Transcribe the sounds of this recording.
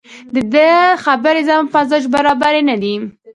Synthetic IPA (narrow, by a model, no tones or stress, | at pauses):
d̪əd̪əxabəɾezampazɑd͡ʒbaɾɑbaɾenad̪i